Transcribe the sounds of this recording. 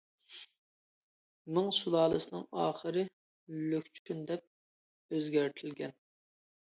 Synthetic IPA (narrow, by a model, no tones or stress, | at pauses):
mɨŋsulˠɑːlˠɨsɨnɨŋɑ̰ːχəɾɨ | lykʲt͡ʃʰy̥t͡ʃʰynd̪ɛp̚ | øzɡʲæɾt̪ʰɪlɡʲɛn